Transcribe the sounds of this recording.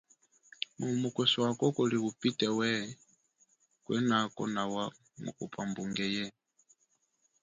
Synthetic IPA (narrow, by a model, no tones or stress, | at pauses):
mumukɛsɔwakɔkɔliɣupitɛwɛ | kwɛnakɔ̰nawa | mṵkupʰambuŋɡɛjɛ